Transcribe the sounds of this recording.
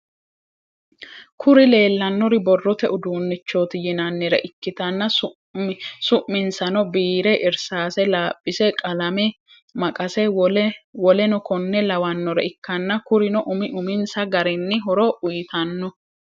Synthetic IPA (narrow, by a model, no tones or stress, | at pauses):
kʰʊɾɪle̞ːlːɐnːɔɾɪbɔrːɔt̪ɛʔʊd̪uːnːɪt͡ʃːoːt̪ɪjɪnɐnːɛɾɛ̰ʔɪkːɪt̪ɐnːɐsʊ | sʊʔmːɪnsɐnɔbiːɾɛʔɪɾsaːsɛlaːpʼːɪsɛkʼɐlɐmɛ | mɐkʼɐsɛ | wɔlɛnɔkɔnːɛlɐwɐnːɔɾɛ̰ɪkːɐnːɐkʊɾɪnɔʔʊmɪʔʊmɪnsɐɡɐɾɪnːɪɦɔɾɔʔʊjt̪ɐnːɔ